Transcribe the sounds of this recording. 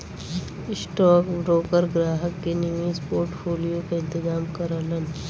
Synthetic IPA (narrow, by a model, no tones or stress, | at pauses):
ɪsʈɔːkbɾoːkəɾɡɾaːɦəkːenimiːzpoːɾʈfoːlijokaɪ̃nt̪ɪzaːmkɐɾələn